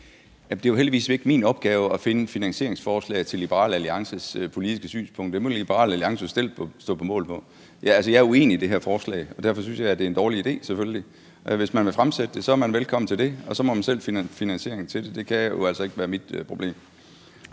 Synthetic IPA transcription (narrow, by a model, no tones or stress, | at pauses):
jæmd̥e̝joɦeld̥iʋḭːsʋe̝ɡ̥miːnɒ̽b̥̚ɡ̥ɛːʊɒfe̝nəfinæŋɕe̝ɐ̰eŋsfɒːslɛ̰ɪt͡sʰe̝lːib̥əʁɑ̰̈ːləæliɑ̈ŋsəspʰo̝lid̥isɡ̥əsy̰ːnspʰɔ̽ŋ̰d̥ə̥emoib̥əʁɑ̰̈ːlæliɑ̈ŋsəsd̥e̝l̰ʰsd̥ɔ̰ːpʰɒ̽mɔ̰̽ːlpʰɒ̽ | jææls̬əjɑ̈æɐue̝̰ːniid̥e̝ɦæɐ̰fɒːslɛ̰ɪɒ̽d̥æɐfɒ̽synsjɑ̈ɪd̥e̝end̥ɒːliid̥e̝̰ːsefølli | ʔʋe̝smænʋefʁamsed̥əd̥e̝sɒ̽æɐmænʋelkʰɒ̽mn̩t͡sʰe̝ld̥e̝ɒ̽sɒ̽mɒ̽mænsel̰fifinænɕe̝ɐe̝ŋ̩t͡sʰe̝de̝d̥e̝kʰæjoælsɒ̽e̝ɡ̥əʋæːɐmid̥pʰʁo̝b̥le̝̰ːm